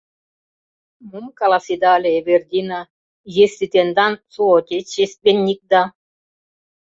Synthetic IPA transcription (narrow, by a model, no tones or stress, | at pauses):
mumkɑlɑsid̪ɑlʲeːβerd̪ʲina | jesːit̪end̪ɑnsuot̪ʲet͡ɕesbʲenʲːik̚d̪ɑ